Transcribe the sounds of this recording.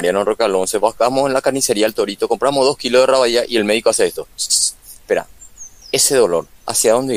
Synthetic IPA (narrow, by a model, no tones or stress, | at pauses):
ɾjanorokalonseβahkamosenlakaɾnise̞ɾiaelt̪o̞ɾit̪o̞ko̞mpɾamoðo̞hkilo̞zðeraβaðiaʔie̞lme̞ð̞ikoaseest̪o̞ | peɾa̰e̞seðo̞lo̞ɾa̰sjaðo̞nd̪e